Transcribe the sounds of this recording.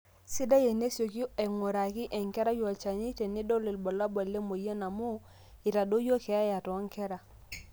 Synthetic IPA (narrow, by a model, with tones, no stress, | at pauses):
si˦da˦je˨ne˦so˨ki˦e˨ŋo˨ɾa˨ki˦ʔe˨ŋke˦ɾa˦jo˨t͡ʃa˨ɲi˦te˨ni˦do˦li˨lbo˨la˦bo˨lːe˦mo˨je˦na˨mu˦ | i˨ɾa˨do˦jo˦ke˨a˦ja˨to˨˦ŋke˦ɾa˨